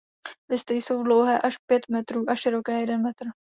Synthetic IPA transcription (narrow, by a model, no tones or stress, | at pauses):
lɪst̪ɪjso̞wdlowɦɛːʔaʃpjɛt̪mɛt̪ɾuːʔaʃɪɾo̞kɛːjɛdɛnmɛt̪r̩